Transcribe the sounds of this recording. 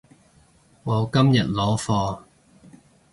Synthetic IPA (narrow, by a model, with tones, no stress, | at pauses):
ŋɔ˨˧wkɐ˥mjɐ˨t̚lɔː˨˥fɔː˧